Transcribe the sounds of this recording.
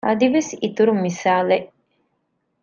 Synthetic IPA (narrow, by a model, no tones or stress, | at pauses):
ʔɐd̪iʋesit̪uɾummːisaːleʔ